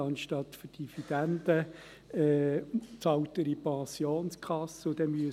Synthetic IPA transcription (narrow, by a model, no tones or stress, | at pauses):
ɑnʃtɑt̪fyrd̥ifid̪̥ænd̪̥ə | ɛt͡sɑwt̪əɾipɑ̃sjoːnskʰɑsːəʊd̥̪ɛmyə